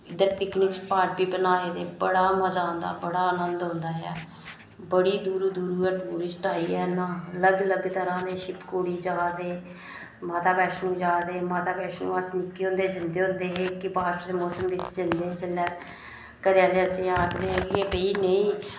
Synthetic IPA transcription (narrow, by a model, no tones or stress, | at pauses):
ɪd̪əɾpɪknɪkspaːɾʈ̚biːbənaːeːd̪eːbəɽaːməzaːɦə̃nd̪a̰ːbəɽaːənənd̪ɦõːnd̪aːɛ̰ː | bəɽiːd̪uːɾuːd̪uːɾuːɛːʈuːɾɪsʈaːiːɛːnãːələɡələɡt̪əɾãːd̪eːʃɪpkoːɽiːd͡ʒaːd̪eː | maːt̪aːbɛːʃnũːd͡ʒaːd̪eːmaːt̪aːbɛːʃnṵ̃ːəsnɪkːeːɦʊ̃nd̪eːd͡ʒɪnd̪eːɦʊ̃nd̪eːɦeːkɪbaːsʈəɾd̪eːmɔːsəmʋɪt͡ʃd͡ʒɪnd̪eːd͡ʒəlɛː | kəɾjaːleːəsĩːaːkd̪eːɦɛːɡeːbeiːnəĩː